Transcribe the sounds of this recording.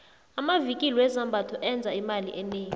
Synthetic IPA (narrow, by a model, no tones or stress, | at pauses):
amavikʼiliwɛzambʱatʰɔʔɛnd͡zʱaimalḭʔɛneːŋi